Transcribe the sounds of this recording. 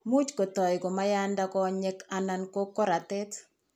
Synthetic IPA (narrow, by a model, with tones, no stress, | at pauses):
mu˦t͡ʃko˨tɔ˨jkɔ˨ma˦janda˦kɔ˦ɲɛ˦kananko˦kːɔ˦ɾa˨tɛt